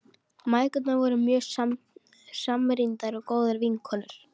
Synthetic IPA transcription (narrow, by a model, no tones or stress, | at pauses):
maːjkʏt̪navɔɾʏmjœːsa | samɾint̪aɾɔɣkoːwðaɾviŋkʰɔlʏɾ̥